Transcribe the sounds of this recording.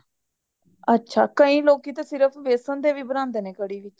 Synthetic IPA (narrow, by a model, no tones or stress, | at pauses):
ətːʃʰa̰ːkəĩːloːkiːt̪eːsɪɾəpʰʋeːsə̃ːnd̪eːʋiːbənãːnd̪eːneːkəɽiːʋɪt͡ʃ